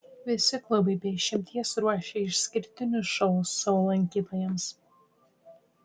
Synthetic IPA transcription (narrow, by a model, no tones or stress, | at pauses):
ʋʲɪsʲɪklˠʊbɐɪbʲɛʃʲɪmʲt̪ʲiɛsɾuɔʃʲɛɪʃsʲkʲɪɾʲt̪ʲɪnʲʊsʃɔʊsːɐolˠɐŋʲkʲiːt̪oːjɛms